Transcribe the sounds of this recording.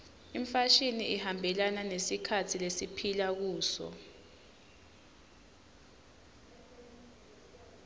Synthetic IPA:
im̩faʃiniʔihambʱɛlananesikʰatʰilesipʰilak̬uːsɔ̰

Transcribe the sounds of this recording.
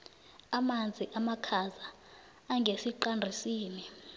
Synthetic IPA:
amand͡zʱiʔamakʰazaː | ŋɡʱesiǃandʱisiːni

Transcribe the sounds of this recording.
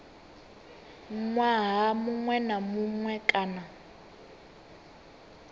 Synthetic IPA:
ŋŋwaɦamuŋwɛnamuŋwɛkʼaːna

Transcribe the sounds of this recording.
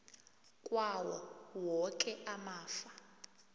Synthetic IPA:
kʼwawɔ̰wɔkʼɛʔamaːfḁ

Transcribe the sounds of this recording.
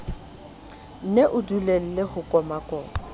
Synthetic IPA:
n̩neʔʊdulel̩lehʊkʼɔmakʼɔːɔ

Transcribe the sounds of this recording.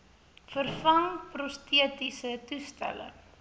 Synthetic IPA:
fərfɐŋprɔstʰiətisətustæ̰lə̰ŋ

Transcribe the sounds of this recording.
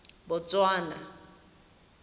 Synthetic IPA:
bʊt͡sʼwaːna

